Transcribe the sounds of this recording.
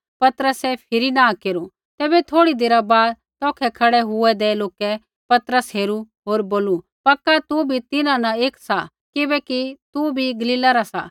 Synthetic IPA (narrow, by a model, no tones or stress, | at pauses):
pɐt̪ɾəsɛpʰɪɾinãkeːɾu | t̪ɛːbɛt̪ʰoːɽid̪eːɾabaːd̪ | t̪ɔːkʰɛkʰɐɽɛɦʊɛd̪eːloːkɛ | pɐt̪ɾəsɦeːɾu | ɦoːɾboːlu | pɐkːat̪ubʱit̪ɪnãnaeːksa | kɪbɛkit̪ubʱiɡɐliːlaɾasa